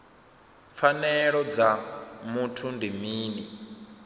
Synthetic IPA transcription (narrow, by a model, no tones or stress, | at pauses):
fanɛɺɔd͡zamutʰundimiːni